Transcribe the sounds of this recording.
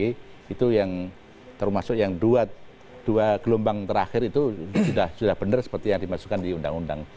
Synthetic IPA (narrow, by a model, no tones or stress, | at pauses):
iit̪ujaŋ | t̪ərmasʊkjaŋduat̪̚ | d̥uaɡ̥əlombaŋt̪əɾaxɪɾit̪usudahsudahb̥ənərsə̥pərt̪ijaŋdimasu̥kandiunda̰ŋunda̰ŋ